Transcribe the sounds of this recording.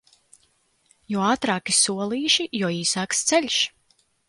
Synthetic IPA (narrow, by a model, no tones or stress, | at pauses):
juɔaːt̪ɾaːkisuɔlˠiːʃijɔɔiːsaːkst̪sɛlʲʃ